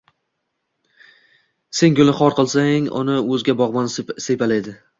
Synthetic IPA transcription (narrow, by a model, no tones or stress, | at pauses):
se̞ŋɡʲʊlɪχɒɾqɨlˠsaŋʊ̰nɪɵzɡʲabɒʁmansepalajd̪ɪ